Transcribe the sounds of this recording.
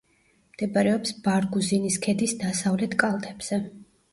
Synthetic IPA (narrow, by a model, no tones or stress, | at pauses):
md̪̥ɛbaɾɛɔpsbaɾɡuziniskʰɛd̪isd̪asavlɛt̪ʰkʼalˠt̪ʰʼɛbz̥ɛ